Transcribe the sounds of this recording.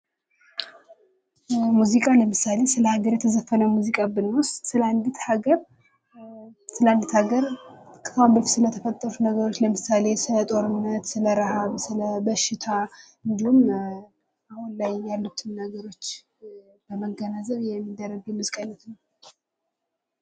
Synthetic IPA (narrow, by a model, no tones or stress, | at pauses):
muzikʼaləmɨsale̞sɨləhaɡəɾjɛt̪ʰəzəfːənəwmuzikʼabɨnwɔssɨləand̪it̪haɡəɾ | sɨləand̪it̪haɡəɾkʰʼːɨfambɨlfsɨlət̪ʰəfət̪ʼːəɾut̪nəɡəɾot͡ʃːləmɨsale̞sɨlət̪ʼo̞ɾɨnːət̪sɨləɾɨhaβsɨləbəʃɪt̪ʰa | ɨnd̪ihum | ahunlajːalːut̪ʰɨnnəɡəɾo̞t͡ʃː | b̥əməɡːənazəβjɛmːid̪ərːəɡjɛmuzikʼajnət̪nəw